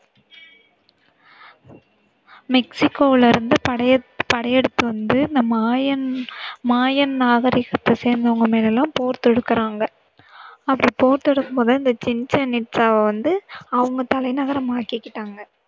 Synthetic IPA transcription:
mɛksɪkːoːʋɪlɪɾɯnd̪ɯɐpɐɽɐjɛɽɯt̪ːɯʋɐnd̪ɯɪnd̪ɐ | maːjɐnnaːɣɐɾɪɣɐt̪ːɐseːɾnd̪ɐʋɐŋɡɐmeːlɛlːãːmpoːɾt̪ɛɽɯkːɐɾaːŋɡɐ | ɐpːɐɽipoːɾt̪ɛɽɯkːɯmpoːðɐɪnd̪ɐt͡ʃɪnt͡ʃɐnɪʈsaːʋɐʋɐnd̪ɯɐʋɐŋɡɐt̪ɐlɐɪnɐɣɐɾɐmaːkɪkːɪʈːaːŋɡɐ

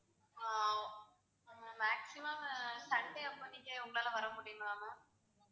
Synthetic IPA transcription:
a | maːksɪmɐmsɐɳɖeɐpːɐnːɪkːeʊŋɡɐɭaːlɐʋɐɾɐmʊɽɪjŋɡɐlaːma

